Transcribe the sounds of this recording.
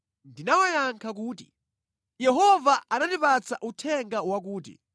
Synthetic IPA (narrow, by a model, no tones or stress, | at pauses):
ndinawajaŋkʰak̬uːtḭ | jɛɦɔvaʔanandipat͡saʔutʰɛŋɡawak̬uːt̬ḭ